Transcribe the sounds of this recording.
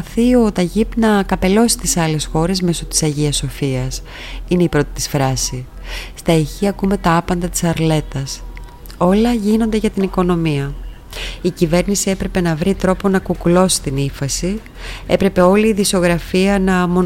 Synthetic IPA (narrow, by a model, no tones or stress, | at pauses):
θio̞t̪ɐʝipnɐkɐpe̞lo̞si̥t̪isɐle̞sxo̞ɾe̞zme̞so̞t̪i̥sɐʝiɐso̞fiɐs | ineipɾo̞t̪i̥t̪i̥sfɾɐsi | st̪ɐiçiɐkume̞t̪ɐɐpɐnd̪ɐt̪i̥sɐɾle̞t̪ɐs | o̞lɐʝino̞nd̪e̞ʝɐt̪iniko̞no̞miɐ | icive̞ɾnisie̞pɾe̞pe̞nɐvɾit̪ɾo̞po̞nɐkukulo̞si̥t̪inifɐsi | e̞pɾe̞pe̞o̞liːðiso̞ɣɾɐfiɐnɐmo